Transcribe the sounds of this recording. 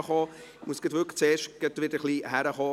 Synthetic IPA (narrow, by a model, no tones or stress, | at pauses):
χɑːmusɡ̥ətʋʏkt͡seːʃtɡ̥ətʋɪd̥əχliːhæɾəχɑː